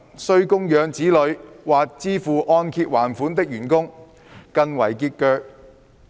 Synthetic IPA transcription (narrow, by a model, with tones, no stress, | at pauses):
sɵ˧ɥkʊ˥ŋjœː˨˧ŋt͡siː˨˥lɵ˨˧ɥwaː˨k̚t͡siː˥fuː˨ʔɔː˧nkʰiː˧t̚waː˨˩nfuː˨˥nt̪ɪ˥k̚jyː˨˩nkʊ˥ŋ | kɐ˧nwɐ˨˩jkiː˧t̚kœː˧k̚